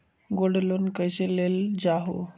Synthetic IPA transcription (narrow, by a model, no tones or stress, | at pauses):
ɡoɽluːnkəjɕeleld͡ʑaɦo̰